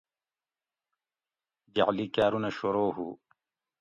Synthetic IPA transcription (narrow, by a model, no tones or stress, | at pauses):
d͡ʒa̰ʕliːkaːɾunɐʃoɾoːɦṵ